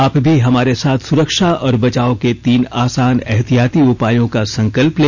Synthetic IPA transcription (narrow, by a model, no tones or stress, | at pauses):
aːpbʱiɦɐmaːɾesaːt̪ʰsʊɾəkʃaɔːɾbɐt͡ʃaːõket̪iːnaːsaːnɛɦt̪ijaːt̪iʊpaːjõkasɐ̃ŋkəlpleː